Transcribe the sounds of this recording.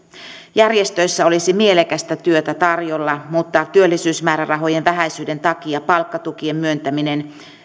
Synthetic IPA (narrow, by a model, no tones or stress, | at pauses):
jærjest̪ø̞jsːæo̞lisimie̞lekæst̪æt̪yøt̪æt̪ɑrjolːɑmut̪ːɑt̪yølːisyːsmæːɾærɑɦo̞jenʋæɦæjsyːde̞nt̪ɑkiɑpɑlkːɑt̪ukiemmyø̞nt̪æminen